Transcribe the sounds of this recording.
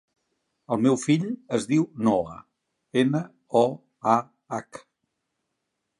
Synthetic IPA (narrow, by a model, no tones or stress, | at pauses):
əlˠmewfiʎəzðiwnɔə̰ | enə | ɔ | a | ak